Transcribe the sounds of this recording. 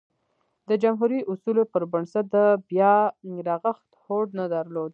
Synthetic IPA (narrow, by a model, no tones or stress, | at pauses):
d̪əd͡ʒamɦuɾiʔʊsulopəɾbəɳsat̪̚d̪əbjɑɾɑɣəxt̪hoɖnad̪əɾlod̪